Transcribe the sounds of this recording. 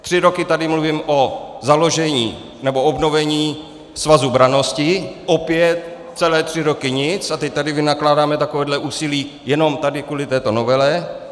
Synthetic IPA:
t̪r̝̥ɪɾo̞kɪt̪adɪmluviːmʔozalo̞ʒɛɲiː | nɛbo̞o̞bno̞vɛɲiː | svazubɾano̞scɪʔopjɛt̪̚ | t͡sɛlɛːt̪r̝̥ɪɾo̞kɪɲɪt͡sat̪ɛc̚t̪adɪvɪnaklaːdaːmɛt̪akovɛːdlɛʔuːsɪliː | jɛno̞mt̪adɪkuːlɪt̪ɛːt̪o̞novɛlɛ

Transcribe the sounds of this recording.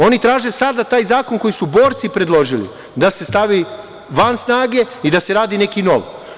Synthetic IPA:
o̞nit̪ɾaːʒe̞sad̪at̪aːjzaːko̞nko̞jisubo̞ːɾt̪sipɾed̪lˠo̞ʒilḭ | d̪ase̞st̪aʋi | ʋansnaːɡe̞ | id̪ase̞ɾaːd̪ine̞kino̞̰ʋ

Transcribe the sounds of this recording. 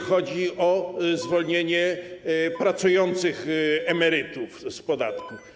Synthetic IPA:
xɔd͡ʑiɔzvɔlɲeɲɛ | pɾat̪sujɔnt̪sɘxɛmɛɾɘt̪ufspɔd̪a̰t̪ku

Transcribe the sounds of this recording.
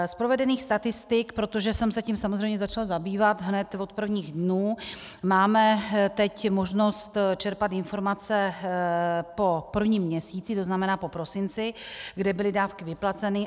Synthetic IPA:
spɾo̞vɛdɛniːxst̪at̪ɪst̪ɪkpɾo̞t̪o̞ʒɛsɛmsɛcimsamozrɛjmɲɛzat͡ʃalzabiːvat̪ɦnɛt̪vot̪̚pr̩vɲiːɣdnuːmaːmɛt̪ɛcmo̞ʒno̞st̪t͡ʃɛɾpat̪ɪnfo̞ɾmat͡sɛ | po̞pr̩vɲiːmːɲɛsiːt͡sɪt̪o̞znamɛnaːpo̞pɾo̞sɪnt͡sɪɡdɛbɪlɪdaːfkɪvɪplat͡sɛnɪ

